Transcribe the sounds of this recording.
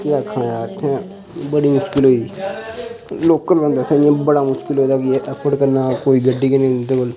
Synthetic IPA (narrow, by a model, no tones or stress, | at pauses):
kjaːkʰəɽ̃aːt̪ʰãː | bəɽiːmʊʃkɪlɦoːiː | loːkəlbə̃nd̪asənẽːbəɽaːmʊʃkɪlɦoːd̪aːkɪeʔɛːpʰəɾɖkəɾnaːkoːiːɡəɖːiːkenẽːd̪eəl